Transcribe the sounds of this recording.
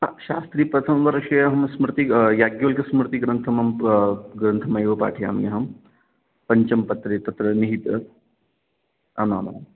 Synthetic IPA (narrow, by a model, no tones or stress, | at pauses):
aʃa̰ːst̪ɾiːpɾɐt̪ʰɐmʋɐɾɐʃɐjɐɦɐmsmɾt̪ijaːɡjolkɐsmɾt̪iɡɾɐnt̪ʰɐmɐmɡɾɐnt̪ʰɐmɐjʋɐpa̰ːʈʰija̰ːmijɐɦɐm | pɐɲt͡ʃɐmpɐt̪ɾet̪ɐt̪ɾɐniɦit̪ | ɐ̰ma̰ːma̰